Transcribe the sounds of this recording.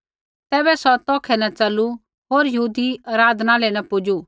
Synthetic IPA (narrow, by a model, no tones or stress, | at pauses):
t̪ɛːbɛsɔt̪ɔːkʰɛnɐt͡ʃɐlu | ɦoːɾjɐɦuːd̪iɐɾaːd̪naːlɛnɐpʊd͡ʒu